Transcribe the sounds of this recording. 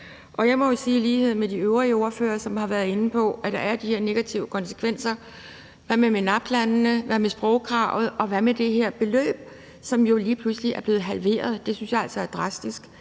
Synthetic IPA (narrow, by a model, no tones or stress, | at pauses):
ʔɒ̽jɑ̈ɪmɒjo̝siːliːhe̝ð̞̰ˠn̩med̥iøʊʁiəo̝ɐfø̰ːɐsɒ̽mhɑ̈ʋæɐðˠe̝nn̩əpʰɒ̽ʔæd̥ɑ̈æɐd̥iheɐ̰ne̝ɡ̥æt͡sʰiʊəkʰɒ̽nsə̥kʰʋen̰sɐ | ʋæmemenɑ̈b̥lænnəʋæmesb̥ʁɔʊkʰʁɑ̈ʊð̞̩ˠʔɒ̽ʋæmed̥e̝ɦeɐ̰b̥e̝lø̰ːb̥̚ | sɒ̽mjo̝liːpʰlusliʔæɐb̥le̝ːð̞̩ˠɦælʋe̝̰ːɐð̞ˠd̥e̝synsjɑ̈æl̰sɒ̽æɐd̥ʁɑ̈sd̥isɡ̥